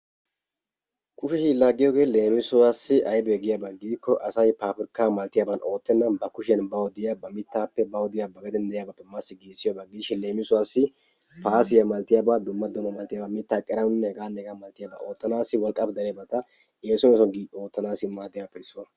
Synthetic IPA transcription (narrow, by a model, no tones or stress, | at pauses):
kʊʃɛʃɪlaːɡːɪjoːɡeːle̞ːmɪsʊwaːsɪʔɐjbɛɛɡɪjabaɡɪd̪ɪkːɔʔɐsɐjpaːpɪɾkːaːmɐlt̪ɪjaːbɐno̞ːt̪ːɛnːɐbɐkʊʃjɐnbɐwɔd̪ɪjabɐmɪt̪ːaːpːɛbɐwɔd̪ɪjabɐɡɐd̪ɛnd̪ɛʔjaːbɐpːɛmasːɪɡeːsːɪjaːbaɡɪiːʃːɪnle̞ːmɪsʊwaːsːɪ | paːsɪjɐmɐlt̪ːɪjaːbaːd̪ʊmːɐd̪ʊmːɐmɐlt̪ɪjaːbɐmɪt̪ːaːkʼːɛɾɐnʊnːɛhɛɡaːnːɛhɛɡaːmɐlt̪ːɪjaːba̰ːʔo̞ːt̪ːɐnaːsːɪwɔlkʼːɐpd̪ɐɾɛjabɐt̪ɐ | eːsʊnɛsɔɡio̞ːt̪ːɐnaːsɪmaːd̪ɪjabɐpːɛɪsːʊwɐ